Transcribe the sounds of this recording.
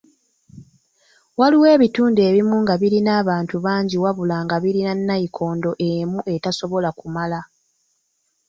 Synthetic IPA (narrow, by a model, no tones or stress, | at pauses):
waliwe̞ːβituːnde̞ːβimuŋɡaβiɾinaːβaːntuβaːɲɟiwaβulaːŋɡaβiɾinanːaikʰo̞ːndo̞ʔemuʔe̞taso̞βo̞lakumala